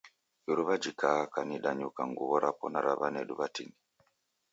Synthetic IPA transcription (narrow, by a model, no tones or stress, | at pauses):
juɾuβad͡ʒikakaniɗaɲukaŋɡuβɔɾapɔnaɾaβanɛɗuβatini